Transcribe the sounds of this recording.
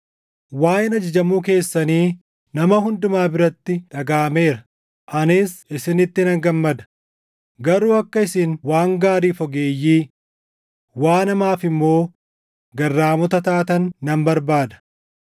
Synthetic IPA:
waːjɪnɐd͡ʒɪd͡ʒɐmuːk̬e̞ːsːɐniː | nɐmɐhʊnd̪ʊmaːbɪɾɐt̪ːɪᶑɐɡaːme̞ːɾɐ | ʔɐnɪsɪsɪnɪt̪ːɪnɐŋɡɐmːɐd̪ɐ̥ | ɡɐɾuːɐkːɐɪsɪnwaːŋɡaːɾiːfɔɡe̞ːjːiː | waːnɐmaːfɪmːo̞ː | ɡɐrːaːmɔt̪ɐt̪aːt̪ɐnːɐmbɐɾbaːd̪ɐ̥

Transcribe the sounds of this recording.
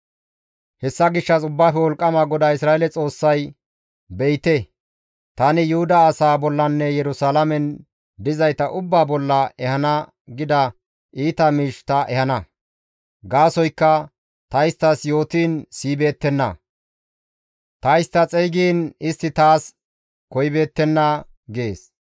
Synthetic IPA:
hɛsːɐɡɪʃːɐsʊbːaːfɛwɔlkʼːɐmaɡɔd̪aɪsɾaːelɛt͡sʼo̞ːsːɐj | bɛjt̪ɛ | t̪ɐnɪjʊhʊd̪ɐːsaːbɔlːɐnːɛjɛɾʊsaːlɐmɛn | d̪ɪzɐjt̪ɐʔʊbːaːbɔlːɐɛhɐnɐ | ɡɪd̪ɐ | ʔiːt̪ɐmiːʃt̪ɐʔɛhɐnɐ | ɡaːsɔjkːɐ | t̪ɐɪst̪ːɐsjo̞ːt̪iːnsiːbe̞ːt̪ːɛnːɐ | t̪ɐjst̪ɐt͡sʼɛjɡiːnɪst̪ːɪt̪aːs | kɔjbe̞ːt̪ːɛnːɐ | ɡeːs

